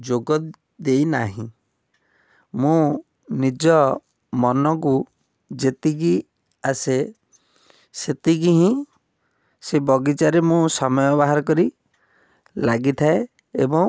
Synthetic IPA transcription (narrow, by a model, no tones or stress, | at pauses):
d͡ʒoɡɔ | d̪ejnaɦĩ | mũ | nid͡ʒɔ | mɔnɔk̬u | d͡ʒet̪iɡ̬i | ase | set̪iɡiɦĩ | sebɔɡit͡ʃaɾemũsɔmɔjɔbaɦaɾɔkɔɾi | laɡit̪ʰae | ebɔŋ